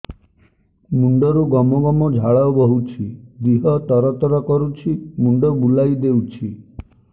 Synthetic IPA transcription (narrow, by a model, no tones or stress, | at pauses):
muɳɖɔɾuɡɔmɔɡɔmɔd͡ʒʱaɭɔwbɔɦut͡ʃʰid̪iɦɔt̪ɔɾɔt̪ɔɾɔkɔɾut͡ʃʰimuɳɖɔbulajd̪ewt͡ʃʰi